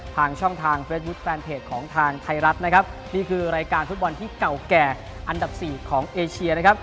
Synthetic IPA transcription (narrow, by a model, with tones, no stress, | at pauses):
t̪ʰaː˧ŋt͡ɕʰɔ˥˩ŋt̪ʰaː˧ŋfeː˦˥t̪̚bu˦˥t̪̚fɛː˧nt̪ʰeː˨˩t̪̚kʰɔː˩˦ŋt̪ʰaː˧ŋt̪ʰa˧jɾa˦˥t̪̚na˦˥kʰa˦˥p̚ | niː˥˩kʰɯː˧ɾaː˧jkaː˧nfu˦˥t̪̚bɔ˧nt̪ʰiː˥˩ka˨˩wkɛː˨˩ | ʔa˧nda˨˩p̚siː˨˩kʰɔː˩˦ŋʔeː˧t͡ɕʰi˧ɐna˦˥kʰa˦˥p̚